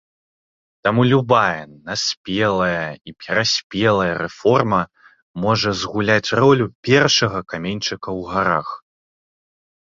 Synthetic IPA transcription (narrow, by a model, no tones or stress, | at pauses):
t̪amulʲubajɐnasʲpʲɛlˠɐjɐipʲɛɾasʲpʲɛlˠɐjɐɾɛfɔrmɐ | mɔʐɐzɣulʲat͡sʲrɔlʲupʲɛrʂɐɣɐkamʲenʲt͡ʂɨkɐwɣaɾa̰x